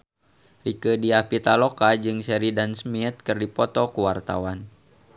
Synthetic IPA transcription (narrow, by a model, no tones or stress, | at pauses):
rikədiapit̪alɔkad͡ʒɨŋsɛɾidansmit̪̚kɨrdipɔt̪ɔkuwart̪a̰wan